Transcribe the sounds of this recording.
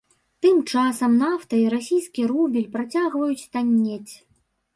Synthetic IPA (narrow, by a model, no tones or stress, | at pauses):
t̪ɨmt͡ʂasɐmnaft̪ɐiɾasʲijskʲiɾubʲilʲpɾat͡sʲaɣvɐjut͡sʲt̪anʲːet͡sʲ